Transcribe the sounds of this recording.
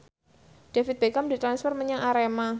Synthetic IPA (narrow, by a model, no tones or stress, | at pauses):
ɖ̥afit̪̚b̥ekamdit̪ɾansfɔrməɲaŋʔaɾema